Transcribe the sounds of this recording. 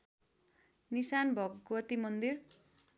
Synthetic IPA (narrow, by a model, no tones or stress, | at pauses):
nisanbʱʌɡɡwʌt̪imʌnd̪ir